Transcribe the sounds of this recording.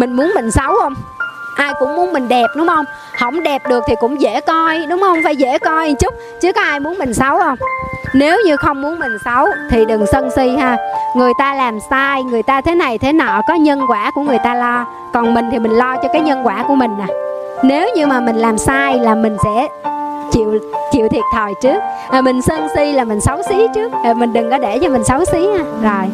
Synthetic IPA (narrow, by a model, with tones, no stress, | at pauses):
mï˨˩ŋ̟mu˨˦ənmï˨˩ŋ̟sə˨˦whə˧wŋ͡mʔaː˧jkʊ̰˧˥ŋ͡mmu˨˦ənmï˨˩ŋ̟ɗɛ˨˩p̚ɗʊ˨˦ŋ͡mhə˧wŋ͡m | hə̰˧˩wŋ͡mɗe˨˩p̚ɗɨ˨˩ək̚t̪ʰi˨˩kʊ̰˧˥wŋ͡mzḛ˧˥kɔ˧jɗʊ˨˦ŋ͡mhə˧wŋ͡mfaː˧˩jzḛ˧˥kɔ˧jt͡ɕʊ˦˥k͡p̚t͡ɕɨ˨˦kɔ˨˦ʔaː˧jmu˨˦ənmï˨˩ŋ̟sə˨˦whə˧wŋ͡mne˨˦wɲɨ˧xə˧wŋ͡mmu˨˦ənmï˨˩ŋ̟sa˨˦wt̪ʰi˨˩ɗɨ˨˩ŋsə˧nsi˧haː˧ŋɨ˨˩əjt̪aː˧laː˨˩msaː˧jŋɨ˨˩əjt̪aː˧t̪ʰe˨˦na˨˩jt̪ʰe˨˦na˨˩kɔ˨˦ɲə˧nkwaː˧˩ku˧˩əŋɨ˨˩əjt̪aː˧lɔ˧ | kɔ˨˩nmi˨˩ŋ̟t̪ʰi˨˩mï˨˩ŋ̟lɔ˧t͡ɕɔ˧kaː˨˦jɲə˧nkwaː˧˩ku˧˩əmï˨˩ŋ̟ʔaː˨˩ | ne˨˦wɲɨ˧maː˨˩mi˨˩ŋ̟laː˨˩msaː˧jlaː˨˩mï˨˩ŋ̟sɛ̰˧˥ | t͡ɕḭ˧˨əwt͡ɕḭ˧˨wt̪ʰi˨˩t̚t̪ʰəː˨˩jt͡ɕɨ˦˥ək̚ | aː˨˩mï˨˩ŋ̟sə˧nsi˧laː˨˩mï˨˩ŋ̟sa˨˦wsi˨˦t͡ɕɨ˦˥ək̚ːmï˨˩ŋ̟ɗɨ˨˩ŋʔɔ˨˦ɗe˧˩t͡ɕɔ˧mï˨˩ŋ̟sa˨˦wsi˨˦haː˧zo˨˩j